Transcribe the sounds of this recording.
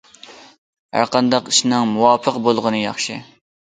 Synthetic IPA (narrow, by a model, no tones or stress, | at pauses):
hæ̰ɾqɑnd̪ɑqiʃnɨŋmuwɑːpʰəqbolˠʁənɨjɑ̰χʃɨ